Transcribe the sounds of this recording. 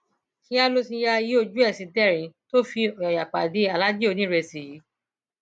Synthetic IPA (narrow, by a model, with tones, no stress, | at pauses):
kĩ˦a˦lo˧sĩ˧ja˧ji˨˦o˦˧˨d͡ʒu˦ɛ˦˨sĩ˨˧tɛ˦˨ɾĩ˨˦to˦fi˧ɔ˨ɔ˨ja˨k͡pa˨di˨˦a˨la˦d͡ʒi˦o˧nĩ˨˦ɾɛ˧si˨ji˨˦